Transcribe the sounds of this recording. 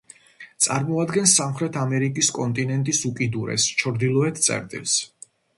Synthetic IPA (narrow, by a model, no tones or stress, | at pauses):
t̪sʼa̰ɾmɔad̪ɡɛnsːamχɾɛt̪ʰamɛɾikʼiskʼɔnt̪ʼinɛnt̪ʼisukʼid̪uɾɛ̰st͡ʃʰɔɾd̪ilˠɔɛt̪ʰt̪sʼɛ̰ɾt̪ʼḭlˠs